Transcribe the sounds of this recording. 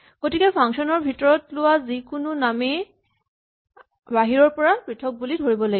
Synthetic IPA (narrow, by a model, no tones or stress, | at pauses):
ɡ̥otikɛpʰaŋksɔnɔɹbʱitɔɹɔtlʊwazikʊnʊname | baɦiɹɔɹpɔɹapɹitʰɔk̚bulidʱoɹibɔlaɡ